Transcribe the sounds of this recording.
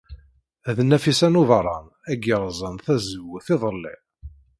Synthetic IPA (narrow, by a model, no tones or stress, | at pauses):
ðənːæfisænuðɾˤɑn | æɡəɾˤzˤənθæzəwəθɪðˤəlːḭ